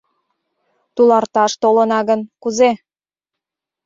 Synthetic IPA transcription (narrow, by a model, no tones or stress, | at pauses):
t̪ulɑrt̪ɑʃt̪olənɑɣənkuze